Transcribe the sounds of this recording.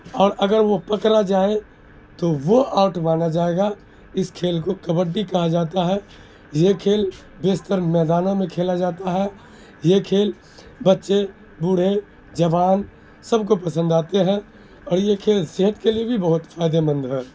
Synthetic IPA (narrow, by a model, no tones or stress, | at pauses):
ɔːɾʔɐɡəɾʋopɐkɾad͡ʒaːe | t̪oʋoʔaːʊʈmaːnad͡ʒaːeːɡa | ɪskʰeːlkokɐbəɾɖikɐɦad͡ʒaːt̪aɦɛː | jekʰeːl | beːst̪əɾmɛːd̪aːnõmẽkʰeːlad͡ʒaːt̪aɦɛː | jekʰeːl | bɐtːʃe | bʊɽ̤e | d͡ʒɐʋaːn | sɐb̚kopɐsə̃nd̪aːt̪eɦɛ̃ː | ɔːɾjekʰeːlsɪɦət̪keliebʱibɐɦʊt̪faːɪd̪emə̃nd̪ɦɛː